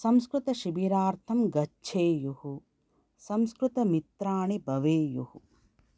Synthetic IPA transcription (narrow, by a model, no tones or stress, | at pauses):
sɐmskɾut̪ɐʃibiːɾaːɾt̪ʰɐmɡɐt͡ʃʰeːjuhu | sɐmskɾut̪ɐmit̪ɾaːɳibʱɐʋeːjuhu